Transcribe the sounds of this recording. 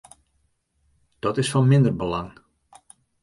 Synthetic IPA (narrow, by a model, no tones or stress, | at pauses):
d̥ɔtɪsfɔnmɪndərbəlaŋ